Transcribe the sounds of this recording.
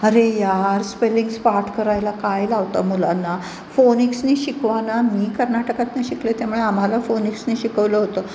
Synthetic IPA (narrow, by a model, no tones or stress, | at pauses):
əɾejaɾspeliŋɡspaɾʈʰkəɾajlakajlaʋt̪amulanːa | foniksniːɕikʋanamiːkəɾnaʈəkat̪naɕiklet̪jamuɭeam̤alafoniksniːɕikəʋləɦot̪ə